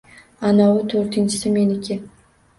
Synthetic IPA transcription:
anawʊt̪ʰoɾt̪ʰɪnt͡ʃʰɪ̥sɪme̞nɪkʲʰɪ

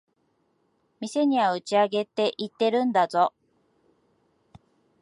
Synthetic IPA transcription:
mʲise̞ɲ̟iβaɯ̟t͡ɕiaɡe̞t̪ːe̞ʔit̪ːe̞ɾɯ̃nd̪azo̞

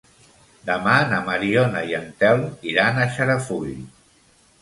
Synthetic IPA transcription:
d̪əmanamaɾionajənt̪ɛlˠiɾanaʃəɾafuʎ

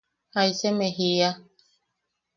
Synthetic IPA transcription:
aisɛmeɦija

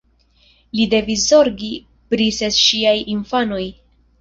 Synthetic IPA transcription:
lide̞vis̬zo̞ɾɡi | pɾisesʃiajinfano̞j

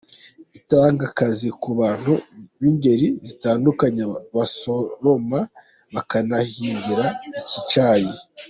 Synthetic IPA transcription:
itaːŋɡakazikuβaːn̥huβiɲɟe̞ɾizitaːndukaɲeβasoɾo̞ma | βakanahiːɲɟiɾaicit͡ʃaji

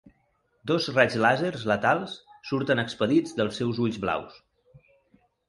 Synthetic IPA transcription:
d̪ozrazlazeɾzlət̪alˠsːuɾt̪ənəkspəðid͡zd̪əlˠsːɛwzuʎzβla̰ws

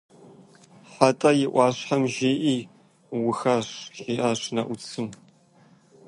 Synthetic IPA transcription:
ħatʼɐjɪʔʷɑːɕħamʒeːʔiː | wʊxaɕʒiːʔaːɕnɐʔʷʊt͡sʰɨm

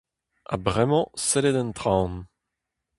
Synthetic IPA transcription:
a̰bʁɛmɑ̃sɛled̪ɛ̃nt̪ʁãn

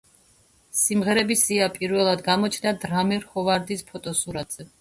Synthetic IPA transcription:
simʁɛɾɛbisiapʼiɾvɛlˠad̪ɡamɔt͡ʃʰd̪ad̪ɾamɛɾχɔvaɾd̪ispʰɔt̪ʼɔsuɾat̪ʼz̥ɛ

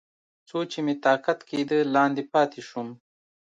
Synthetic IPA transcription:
t͡sot͡ʃemet̪ɑːkat̪ked̪əlɑːnd̪epɑːt̪eʃum

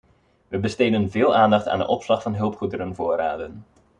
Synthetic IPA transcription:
ʋəbəsteːdənvɪːlˠʔaːndɑχta̰ːndə̰ʔɔpslɑχfɑnɦɵlˠpχudəɾənvoːɾa̰ːdən

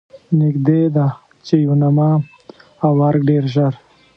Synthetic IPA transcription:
nɪkd̪ed̪a | t͡ʃejunama | awaɾɡ̚ɖeɾʒaɾ

